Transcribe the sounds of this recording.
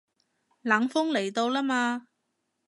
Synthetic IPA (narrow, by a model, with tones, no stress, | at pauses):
laː˨˥ŋfʊ˥ŋle˨˩jt̪o˧wlaː˥maː˧